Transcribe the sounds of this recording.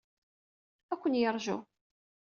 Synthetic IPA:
ækʷːənjəɾˤʒṵ

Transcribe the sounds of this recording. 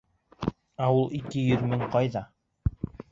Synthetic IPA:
æulˠikɘjɵðmɘŋqɑjðɑ

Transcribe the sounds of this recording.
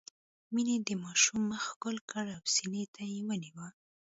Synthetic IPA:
mined̪əmɑʃumːəxkʊlkəɽawsinet̪ajewəniwə

